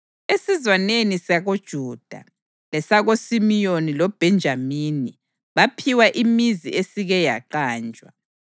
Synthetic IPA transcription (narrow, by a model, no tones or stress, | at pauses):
esizwanenisaɣod̥ʒ̥ʱuːd̥ʱa̰ | lɛsaɣosimijonilɔb̥ʱɛnd͡ʒʱamiːni | βapʰiwaʔimiziʔesiɣɛja̰ǃaːnd͡ʒʱʼwa̰